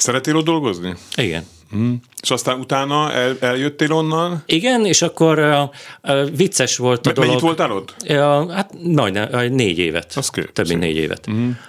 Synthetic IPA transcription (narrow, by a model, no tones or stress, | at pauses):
sɛɾɛt̪ːeːlod̪d̪o̞lɡozniiɡɛ̰n | eʃɒst̪aːnut̪aːnɒɛlɛljøt̪ːeːlo̞nːɒniɡɛneːʃɒkːo̞r | vit̪sɛʃʋo̞lt̪d̪oɛɲloiʋo̞lt̪alot̪ːhat̪nɒɟnɛneːɟḛːvɛ̰t̪skḛːøbmḭnnḛːɟḛːvɛ̰t̪̩